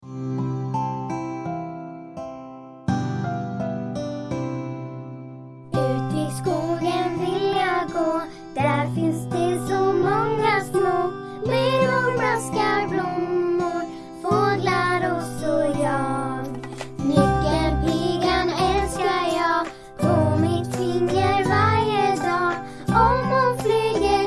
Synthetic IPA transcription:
ʉːt̪ɪskuːɡənvɪljaɡoː | d̪̥æɾfɪnsd̪ɛsɔmɔŋːasmoː | bɪɾhʊɾbaskaɾblʊmːʊɾ | foːd̪laɾɔsɔjɑː | mʏkːənpʰyːɡanɛlskaɾjɑːɡ | pʰɔmɪt̪fɪnd̪jəɾvaɾjəd̪ɑː | ɔmɔfɾyːɡə

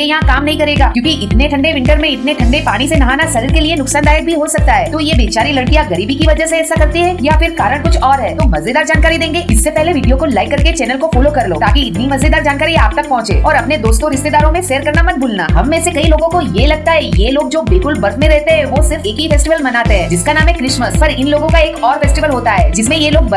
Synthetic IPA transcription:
ejɐɦãkaːmnɐɦĩkɐɾeːɡaːkjũːkiʔɪt̪neʈʰɐ̃ɳɖeʋɪ̃ɳʈəɾmẽɪt̪neʈʰɐ̃ɳɖepaːɽ̃isenɐɦaːnasɐɾiːɾkelienʊksaːnd̪aːjət̪̚bʱiɦosɐk̚t̪aɦɛːt̪ojebeːt͡ʃaːɾilɐɽkijaɡɐɾiːbikiʋɐd͡ʒɛseɛːsːakɐɾt̪iɦɛːjafɪɾkaːɾəɽ̃kʊt͡ʃʰɔːɾɦɛːt̪omɐzd̪ed̪aːɾd͡ʒaːnkaːɾid̪ẽːŋɡeɪsːepɛɦleʋiːɖijokolaːɪkːɐɾket͡ʃɛːnəlkofoːlokɐɾloːt̪aːkiɪt̪nimɐzed̪aːɾd͡ʒaːnkaːɾia̰ːp̚t̪ɐk̚pɔ̃ɦʊ̃t͡ʃḛːɔːɾɐpned̪oːst̪õɾɪst̪ed̪aːɾõmẽʃeːəɾkɐɾnamɐt̪bʱuːlna̰ːɦɐmːẽsekɐiloːɡõkojelɐɡ̚t̪aɦɛjeloːɡ̚d͡ʒoːbɪlkʊlbɐɾd̪mẽɾɛɦt̪eɦɛ̃ʋosɪɾfeːkɦifɛːsʈɪʋəlmɐnaːt̪eɦɛ̃ːd͡ʒɪskanaːmɦɛkɾɪʃməspɐɾɪnloːɡõkaeːkɔːɾfɛːsʈɪʋəlɦoːt̪aɦɛːd͡ʒɪsmẽjeloːɡ̚bɐ

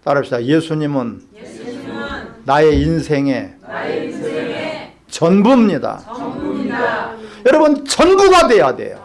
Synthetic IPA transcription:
taɾɯpɕ͈id̥aje̞sʰuɲimɯn | aje̞insʰe̞ŋe̞ | t͡ɕʌnbumɲida̰ | jʌɾʌbɯnt͡ɕʌnbuɡadwe̞jade̞̰jo̰

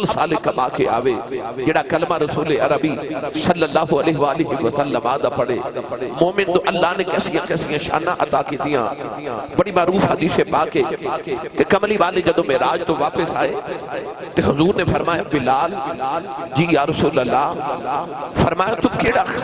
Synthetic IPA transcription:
lsa̰ːlekɐpaːkʰea̰ːʋed͡ʑeːɽakɐlmaɾɐsuːleɐɾəbisɐlːɐlːaːɦʊɐlɛːɦɪʋaːlɪɦiʋɐsɐlːəmaːd̪apɐɽeːmoːmɪnt̪oʔɐlːaːɦnẽkɛːsijãkɛːsijãʃa̰ːnaʔɐt̪aːket̪ijã̰ːbɐɽimaːɾuːfɦɐd̪iːsepaːke | t̪ɐkɐmlibaːled͡ʑɐd̪õmẽɾaːd͡ʒt̪oʋaːpɪsaːɦe | t̪eɦʊzuːɾnẽfɐɾmaːjãbɪlaːl | d͡ʑiːjaːɾɐsuːləlːa | fɐɾmaːjõt̪ʊkeːɽa

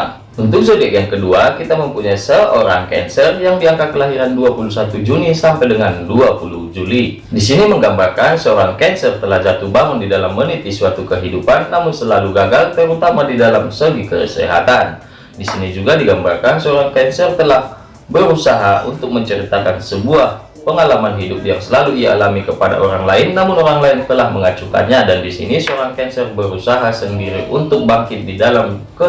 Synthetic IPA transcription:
unt̪ʊk̚səbɛʔjaŋkəduakit̪aməmpuɲajsəʔoɾaŋkɛ̰nsərjaŋdiaŋkakːəlaɦiɾanduapulusat̪ud͡ʒunisampajdəŋanduapulud͡ʒuli | dis̬iniməŋɡambarkansəoɾaŋkɛnsərt̪əlahd͡ʒat̪ubaŋʊndidalamːənit̪̚ːisuat̪ukəɦidupanːamʊnsəlaluɡaɡalt̪əɾut̪amadidalamsəɡikə̰sə̰ɦa̰t̪an | disinid͡ʒuɡadiɡambarkansəoɾaŋkɛnsərt̪əlah | bəɾusaɦaʔunt̪ʊk̚məɲt͡ʃəɾit̪akansəbuah | pəŋalamanɦidʊp̚jaŋsəlaluialamikəpada̰ʔoɾaŋlaɪnːamʊnoɾaŋlaɪnt̪əlahməŋat͡ʃuka̰nɲadandisḭnisəoɾaŋkɛnsərbəɾusaɦasəndiɾiʔunt̪ʊk̚baŋkɪt̪̚didalamkə

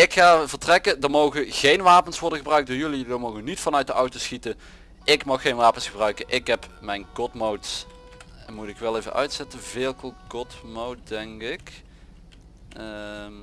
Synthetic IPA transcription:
ɪkχaːvəɹtrɛkədəɹmowɣəɣejnʋaːpənsʋɔɹdənɣəbrœɥk̚dəɹjɵlidəmowɣənitfɑnœɥt̚dəʔɑwtowsxitə | ʔɪkmɑxːejnʋaːpənsχəbrœɥkənʔɪkɦɛpmɛjnkɔtmowts | ɛnmutɪkʋɛlˠevənʔœ̰ɥtsɛtəvɪːlˠkəlˠkɔtmowt̚dɛŋkɪk | m

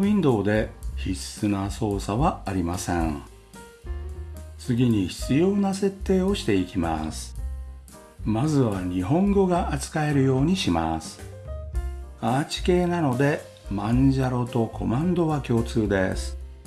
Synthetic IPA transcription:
ĩnd̪o̞ːd̪e̞çisːɨnaso̞ːsaβaːɾʲimasḛ̃ɴ | t͡sɨɡʲiɲ̟içi̥t͡sɨjo̞ːnase̞t̪ːe̞ːo̞ɕi̥t̪e̞ikʲima̰sɨ̥ | mazɨβaɲ̟iɦõ̞ŋɡo̞ɡaʔat͡sɨ̥kae̞ɾɯ̟jo̞ːɲ̟iɕima̰sɨ̥ | aːt͡ɕi̥ke̞ːnano̞d̪e̞ | mãɲd͡ʑaɾo̞t̪o̞kʰo̞mãnd̪o̞βakʲo̞ːt͡sɨːd̪e̞̰sɨ̥

